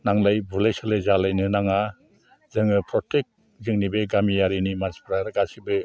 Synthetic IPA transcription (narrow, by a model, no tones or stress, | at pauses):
naŋlajbulajsalezalajnɯnaŋa | zɯŋɯpʰɾɔtʰek̚ | zɯŋnibeɡamijaɾinimaspʰɾaɾɯɡasibɯ